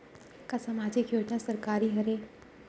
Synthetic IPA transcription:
kasamaːd͡ʒɪkjoːd͡ʒnasɐɾkaːɾiɦɐɾe

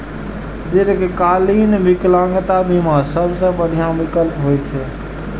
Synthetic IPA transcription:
d̪iɾkekalinʋiklãŋɡt̪abʱimasəbʱsə̃bəɽ̤ʱijãmikəlpɦojt͡ʃʰɛ

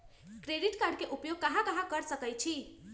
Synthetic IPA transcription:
kɾeɖiʈkaɾɖkeʔupjoɡ̚kəɦãkəɦãkəɾsəkəjt͡ʃʰi

